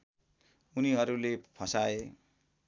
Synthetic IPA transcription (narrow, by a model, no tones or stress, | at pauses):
uniɦʌɾulepʰʌsae